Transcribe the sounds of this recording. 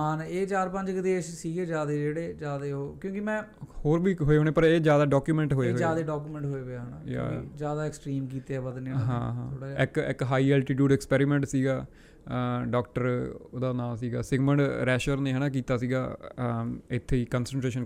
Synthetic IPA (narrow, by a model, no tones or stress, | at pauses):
aːneːt͡ʃaːɾpə̃ɲd͡ʒkəd̪eːʃsiːɡeːd͡ʒjaːd̪eːd͡ʒeːɽeːd͡ʒaːd̪eːɦoːkjõːkɪmɛ̃ːhoːɾbiːɦoːeːɦoːneːpəɾeːd͡ʒjaːd̪aːɖɔːkjuːmɛ̃ɳʈɦoːeɦd͡ʒaːd̪eːɖaːk̬uːmɛ̃ɳʈɦoːebaɦəna̰ːjã̰ːḭd͡ʒjaːd̪aːɛksʈɾiːmkiːt̪eːɛːbəd̪neːɦã̰ːɦã̰oːɽaɪkɪkɦaːiːɛːlʈiːʈ̬juːɖɛːkspɛːɾiːmɛ̃ːɳʈsiːɡaː | ɖɔːkʈəɾo̰ːd̪aːnaːlsiːɡa̰ːsɪɡmə̃ɳʈɾɛːʃəɾneːɦɛːnãːk̬iːt̪aːsiːɡaː | ɪt̪ʰːeːiːkənsə̃ɳʈɾeːʃən